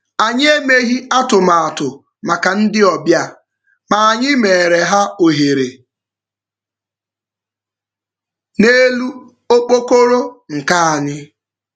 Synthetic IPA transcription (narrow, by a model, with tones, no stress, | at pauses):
a˨ɲ˦e˦me˦ɦi˦a˦tʊ˨ma˨a˨tʊ˨ | ma˨ka˨n̩˦dɪ˦ɔ˨bja˦˨ | ma˨a˨ɲɪ˦me˨e˨ɾe˨ɦa˦o˨ɦe˨ɾe˨ | ne˦lu˦ | o˦k͡po˦ko˦ɾo˦ŋ̩˨ka˦a˨ɲɪ˦